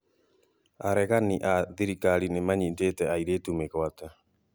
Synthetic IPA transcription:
aɾɛɣaniʔaðiɾikaɾinemaɲindetɛaiɾetumeɣwata

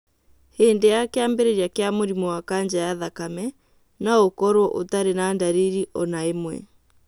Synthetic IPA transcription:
heːndejakeambeɾeɾiakeamoɾimɔwakaɲd͡ʑajaðakamɛ | naokɔɾwɔʔo̰taɾenandaɾeɾiʔɔnaemwɛ̰

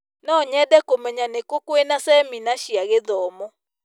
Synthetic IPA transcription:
nɔɲɛdɛkomɛɲanekokwenasɛminaʃiaɣeðɔmɔ

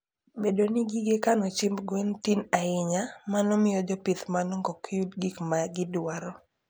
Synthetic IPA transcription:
bedonɪɡiɡekanɔt͡ʃimbɡwintinaɪɲamanɔmɪjɔd͡ʒɔpɪt̪manɔŋɡɔkudɡikmaɡɪdwaɾɔ

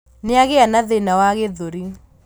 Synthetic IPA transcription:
neaɣeanaðenawaɣeðoɾi

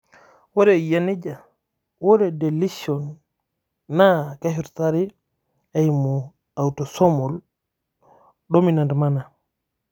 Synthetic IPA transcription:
wɔɾɛjanid͡ʒa | wɔɾɛdɛlisɔnː | akahiɾtaɾi | ajmɔ | awtɔsɔmɔl | ɗominandmana

